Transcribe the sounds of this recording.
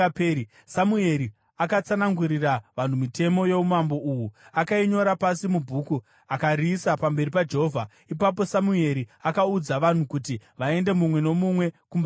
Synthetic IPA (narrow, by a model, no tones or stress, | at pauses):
pei | samue̞ɾi | akat͡sanaŋɡuɾiraʋan̤umite̞mo̞je̞umambo̞uwuakaiɲo̞ɾapasimubʱuku | akariːsapambe̞ripad͡ʒe̞ɦovʱa | ipap̬o̞samue̞ɾiakaud͡zaʋan̤ukutiʋae̞nde̞mumwe̞no̞mumwe̞kumb